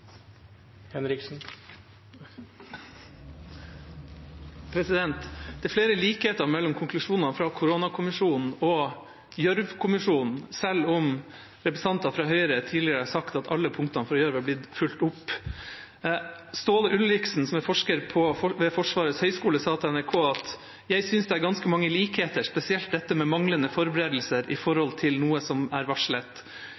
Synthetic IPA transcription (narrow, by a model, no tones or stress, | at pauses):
hɛnɾɪksn̩ | pʰɾɛsɪd̪ɛnt̪d̪ɛːfleːɾəliːkheːt̪ɑɾmɛlːɔmkʰʊŋklʉʂuːnɑfɾɑːkʰʊɾoːnɑkʰʊmɪʂuːnn̩ɔ | jœɾʋkʰʊmɪʂuːnn̩sɛlɔm | ɾɛpɾəsɑnt̪ɑfɾɑːɦœʏəɾət̪ʰiːlɪəɾəæːsɑkt̪ɑt̪ʰɑlːəpʰʊŋkt̪ɑnfɾɑjœɾʋæblɪd̪fʉlt̪ʊpː | st̪oːləʔʉlɾɪksn̩sɔmɛfɔʂkəɾpʰɔɔʋɛfɔʂʋɑːɾəshœʏskuːləsɑːt̪ʰɛnæɾkʰoːɑt̪ | jæɪsʏnsd̪ɛæɾɡɑnskəmɑŋːəliːkheːt̪əʂpɛsɪɛlt̪̚d̪ɛt̪ːəmɛmɑŋlənəfɔɾbɛɾeːd̪l̩səɾʔɪ̰fɔɾhɔlt̪ʰɪlnuːəsɔmæɾʋɑʂɭət̪